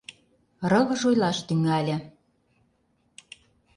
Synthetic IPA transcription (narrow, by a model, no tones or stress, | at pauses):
rɤ̆ɣɤ̆ʒojlɑʃt̪yŋælʲɘ̆